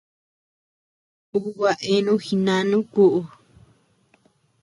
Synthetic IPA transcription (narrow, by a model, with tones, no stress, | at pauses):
u˦wa˨ʔe˦nũ˦xi˧nã˧˦nũ˦ku˦ʔu˧